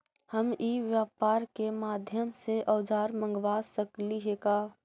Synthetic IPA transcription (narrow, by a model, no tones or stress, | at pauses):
həmiːʋjaːpaːɾkemaːd̪ʱjəmseʔɔːd͡ʒaːɾmə̃ŋɡʋaːsəkliɦeːkaː